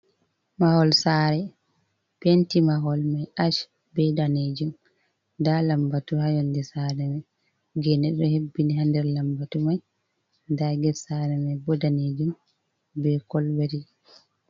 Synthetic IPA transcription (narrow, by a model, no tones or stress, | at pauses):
mahɔlsaːɾɛ | pentimaɦɔlmajʔaʃ | bɛdaned͡ʒum | dalambatuhajɔndɛsaːɾɛmɛ | ɡɛnɛɗːɔhebːiniɦandɛɾlambatumaj | daɡɛsaɾɛmabɔdaned͡ʒum | bɛkɔlbɛɾi